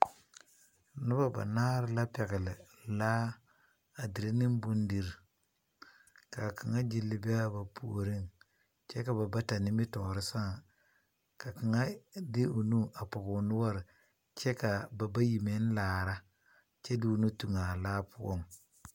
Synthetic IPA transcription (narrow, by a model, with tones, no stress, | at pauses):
nʊ˦ba˦ba̰˨naː˦ɾɪ˦la˦pɛ˨kɪ˨lɪ˨ | la˦ | a˨di˨ɾi˦nɪ˦m˦bu˦n˦di˨ɾ | ka˨kʰa˨ŋa˦d͡ʒi˦lːɪ˦bɪ˦a˦ba˨pʰṵ˨ɾi˦ŋ | t͡ʃɛ˦ka˨ba˨ba˦ta˨nɪ˦mɪ˦tɔː˨ɾɪ˦sa˦ŋ | ka˨ki˨ŋa˦dɪ˦u˨nu˦ʔa˨pʊ˨kʊ˨nʊ˦wa˦˨ɾ | t͡ʃɛ˦ka˨ba˨ba˦ji˨me˨˦n˦laː˨ɾa˦ | t͡ʃe˦du˦˨nu˦tu˨ŋa˨laː˦pʊ˦o̰˦˨ŋ